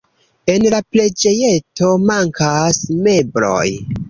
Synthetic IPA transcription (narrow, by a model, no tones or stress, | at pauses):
e̞nlaple̞d͡ʒe̞je̞to̞maŋkasme̞bɾo̰j